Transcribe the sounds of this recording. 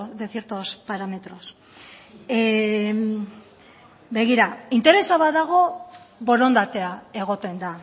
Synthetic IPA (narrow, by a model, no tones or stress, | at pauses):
ðeθjeɾt̪o̞spaɾame̞t̪ɾo̞s | βe̞ɣ̞iɾaint̪e̞ɾe̞saβaðaɣ̞o̞bo̞ɾo̞nd̪at̪e̞ae̞ɣ̞o̞t̪e̞nd̪a